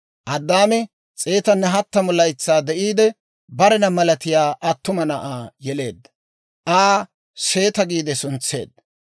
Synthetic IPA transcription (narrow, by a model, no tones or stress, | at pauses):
ʔɐd̪ːaːmɛ | t͡sʼe̞ːt̪ɐnːɛɦɐt̪ːɐmʊlɐjt͡sːaːd̪ɛʔiːd̪ɛ | bɐɾɛnɐmɐlɐt̪ɪjaːʔɐt̪ːʊmɐnɐʔaːjɛle̞ːd̪ːɐ | ʔaː | se̞ːt̪ɐɡiːd̪ɛsʊnt͡sːe̞̰ːd̪ːɐ